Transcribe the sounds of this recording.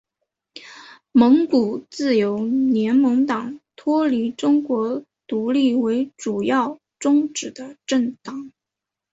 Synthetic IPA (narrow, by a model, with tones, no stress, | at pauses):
mɤ˧˥ŋku˨˩t͡sɹ̩˥˩jo˧˥ʊnjɛ˧˥nmɤ˧˥ŋt̪ɑ˨˩ŋt̪ʰwɔ˥li˧˥ʈ͡ʂʊ˥ŋkwɔ˧˥ | t̪u˧˥li˥˩we˧˥ɪʈ͡ʂu˨˩jɑ˥˩ʊ | ʈ͡ʂʊ˥ŋʈ͡ʂɻ̩˨˩d̪ə˦ʈ͡ʂə˥˩ŋt̪ɑ˨˩˦ŋ